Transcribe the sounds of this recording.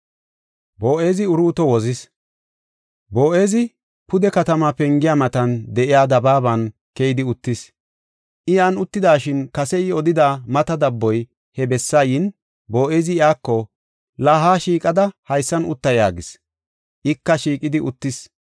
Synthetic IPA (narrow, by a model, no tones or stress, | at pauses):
boːʔe̞ːzɪʊɾuːt̪ɔwɔzɪs | bo̞ːʔe̞ːzɪ | pʊd̪ɛkɐt̪ɐmɐpɛŋɡɪjaːmɐt̪ɐnd̪ɛʔɪjaːd̪ɐbaːβɐn | kɛɪd̪ɪʊt̪ːɪs | ʔɪjaːnʊt̪ːɪd̪aːʃɪnkɐsɛɪɔd̪ɪd̪aːmɐt̪ɐd̪ɐbːɔj | hɛbɛsːajɪn | bo̞ːʔeːzɪɪjaːkːɔ | laːɦaːʃiːkʼɐd̪ɐhɐjsːɐnʊ̰t̪ːɐja̰ːɡɪs | ʔɪkːɐʃiːkʼɪd̪ɪʔʊt̪ːɪs